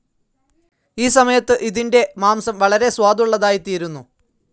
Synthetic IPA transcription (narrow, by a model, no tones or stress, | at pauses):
iːsɐmɐjɐt̪ːɨʔiðinde̞maːmsɐmʋɐɭɐɾe̞swaːd̪uɭːɐðaːjit̪ːiːɾunːu